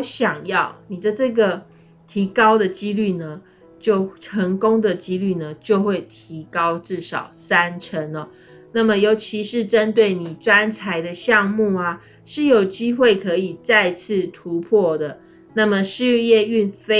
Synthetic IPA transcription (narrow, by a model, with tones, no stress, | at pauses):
ɕjɑ˨˩ŋjɑ˥˩ʊni˨˩d̪ə˦ʈ͡ʂɤ˥˩ɡə˨˩ | t̪ʰi˧˥kɑ˥ʊd̪ə˨t͡ɕi˦˥ly˥˩nə˩ | t͡ɕjo˥˩ʊʈ͡ʂʰə˧˦˥ŋkʊ˥ŋd̪ə˨t͡ɕi˥ly˥˩nə˩t͡ɕjo˥˧ʊxwe˥˩ɪt̪ʰi˧˥kɑ˦ʊʈ͡ʂɻ̩˥˩ʂɑ˨˩ʊsa˦nʈ͡ʂʰə˧˦nɐ˨˦ | na˥˩mə˨jo˧˥ʊt͡ɕʰi˧˥ʂɻ̩˥˩ʈ͡ʂə˦nt̪̬we˥˩ɪni˨˩ʈ͡ʂwa˦˥nt͡sʰa˧˥ɪd̪ə˧ɕjɑ˥˧ŋmu˥˩a˨ | ʂɻ̩˥˩jo˨˩ʊt͡ɕi˥xwe˥˩ɪkʰɤ˧˥i˨˩t͡sa˥˧ɪt͡s̩ʰ˥˩t̪ʰu˧˦pʰwɔ˥˩d̪ə˩ | na˥˩mə˨ʂɻ̩˥˧jɛ˥˧y˥˨nfe˥